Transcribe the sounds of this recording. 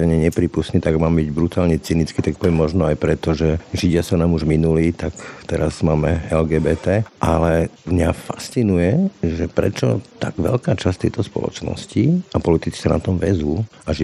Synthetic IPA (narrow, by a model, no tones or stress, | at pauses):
ɛɲɛɲɛpɾiːpustniːt̪aɡmaːmbiɟbɾut̪aːlɲɛt͡sinit͡skit̪ak̚pɔʋɛmːɔʒnɔajpɾɛt̪ɔʒɛʒiɟɪasanaːmuʒminuliːt̪akt̪ɛɾaz̥maːmɛɛlɡɛːbɛːt̪ɛːʔalɛmɲafast͡sinujɛʒɛpɾɛ̰t͡ʃɔ̰t̪aɡ̥ʋɛ̰lkaːt͡ʃast̪ːɛ̰jt̪ɔspɔ̰lɔ̰t͡ʃnɔ̰sciapɔlit̪it͡si̥sanat̪ɔmʋɛzuː | aʒ